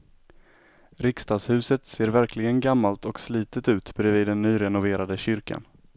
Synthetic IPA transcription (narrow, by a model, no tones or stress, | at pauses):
ɾɪkst̪ɑːshʉ̟ːsət̪seːɾvæɾklɪɡənɡamːalt̪ɔksliːt̪ət̪ʉ̟ːt̪bɛɾɛviːd̪ːɛnːyːɾɛnʊveːɾad̪əɕʏɾka̰n